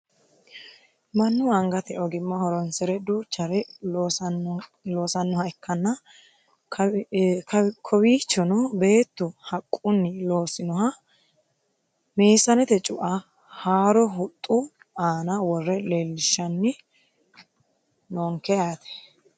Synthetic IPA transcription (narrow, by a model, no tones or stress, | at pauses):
mɐnːʊɐŋɡɐt̪ɛɔɡɪmːɐhɔɾɔnsɛɾɛd̪uːt͡ʃːɐɾɛ | loːsɐnːɔhɐɛkːɐnːɐ | kʰɔwiːt͡ʃːɔnɔbe̞ːt̪ːʊhɐkʼːʊnːɪlo̞ːsɪnɔɦɐ | meːsɐnɛt̪ɛt͡ʃʼʊʔa | haːɾɔɦʊt̪ʼːʊ | aːnɐwɔrːɛleːlːɪʃːɐnːɪ | nɔːŋkːɛjaːt̪ʰɛ̥